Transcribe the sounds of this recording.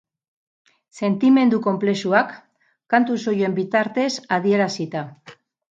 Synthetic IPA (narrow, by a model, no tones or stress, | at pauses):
se̞nt̪ime̞nd̪uko̞mple̞suakː | ant̪uso̞joe̞mbit̪aɾt̪e̞saðie̞ɾasit̪a